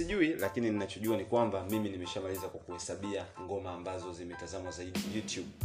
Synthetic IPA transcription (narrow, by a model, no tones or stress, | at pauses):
iʄuilakinininat͡ʃɔʄuanikwambamiminimɛʃamalizakwakuhɛsaɓiaŋɡɔmaːmbazɔzimɛtazamwazaiɗijutjuɓ